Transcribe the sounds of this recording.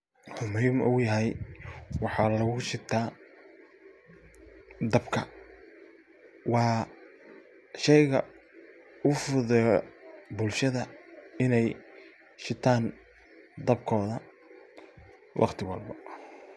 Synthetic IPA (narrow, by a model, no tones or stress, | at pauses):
hʊmʊhimʔʊ̰jɐɦɛjwɑħɑːlɐɣʊʃɪt̪ʰaː | d̪ɐbkʰɐ | wɑː | ʃɛjɣɐ̰ | ʊfʊðɛjɔbʊlʃɐðɐɪnɛj | ʃɪt̪ʰaːn | d̪ɐbkʰɔːðɐ | wʔɑ̰qt̪ʰɪwɐ̰lbɐ